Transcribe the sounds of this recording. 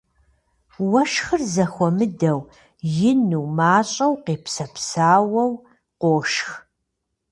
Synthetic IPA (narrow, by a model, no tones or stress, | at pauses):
wɐʃxɨrzɐxʷɔmɨdɐw | jɪnuwmaːɕʼɐwqeːpsɐpʰsaːwɐw | qʷoːʃx